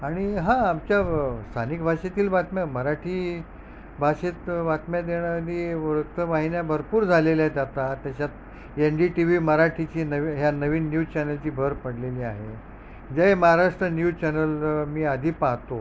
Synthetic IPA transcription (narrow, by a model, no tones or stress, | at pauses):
aɽ̃iɦãːmt͡ɕjast̪ʰanikbʱaɕet̪iːlʋat̪mjaməɾaʈʰiː | bʱaɕet̪ʋat̪mjad̪eɽjakəd̪iːʋɾukt̪ːəʋaɦinjabʱəɾpuːɾd͡zʱaleljat̪at̪at̪jat͡ɕat̪̚ | enɖiʈiʋiməɾaʈʰit͡ɕiːnəʋɦjanəʋiːnːjut͡ɕɛnəlt͡ɕiːbʱəɾpəɽleliːaɦe | d͡ʑejməɦaɾaʂʈɾənjut͡ɕɛnəlmiːad̪ʱiːpaɦt̪o